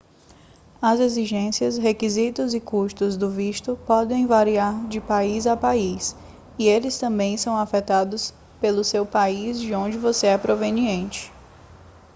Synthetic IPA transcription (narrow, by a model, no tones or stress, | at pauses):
ɐzeziʒẽsiɐsɦekizit̪ʊzɪkuʃt̪ʊzd̪ʊviʃt̪ʊpɔd̪ẽj̃vaɾiaɾd͡ʒɪpaizapais | ielɪst̪ɐ̃mbẽj̃sɐ̃w̃afɛt̪ad̪ʊs | pelʊsewpaizd͡ʒɪõd͡ʒɪvoseɛpɾoveniẽnt͡ʃɪ̥